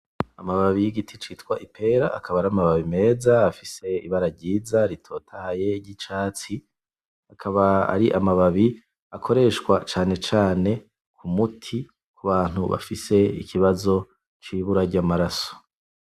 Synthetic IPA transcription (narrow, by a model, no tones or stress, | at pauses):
amaβaβijiɡitʰit͡ʃiːtkwaʔipʰe̞ːɾaʔa̰kʰaβaɾamaβaβime̞ːzaafise̞ḭβaɾaɾɟiːzaɾitʰo̞ːtʰahaje̞ɟit͡ʃaːt͡si | akʰaβaa̰ɾiʔamaβaβi | akʰo̞ɾe̞ːʃkwat͡ʃaːne̞t͡ʃaːne̞ | kʰumutʰi | kuβaːn̥huβa̰fise̞ikʰiβazo̞ | t͡ʃiːβuɾaɾɟamaɾaso̥